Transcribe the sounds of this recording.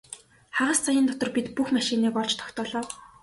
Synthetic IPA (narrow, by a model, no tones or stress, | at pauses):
χaʁə̆st͡sʰajɪ̆nt̪ɔt̪ɞ̆rpit̪puxmaʃiniːkɔɮt͡ɕt̪ʰɔ̥kt̪ɔːɮɔːw